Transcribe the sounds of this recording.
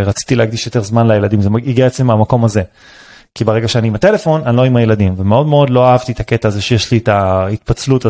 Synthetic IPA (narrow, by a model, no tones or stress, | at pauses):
ʁat͡si̥t̪ilehaɡd̪iʃjo̞t̪e̞ʁzmanlajeladimzemaiɡiaet͡semamako̞maze̞ | kibeʁeɡaʃeaniimat̪e̞le̞fo̞nanlo̞imaje̞ladimvemeo̞dmeo̞dlo̞aɦavt̪itake̞t̪aːzeʃejeʃlitait̪pat͡sluta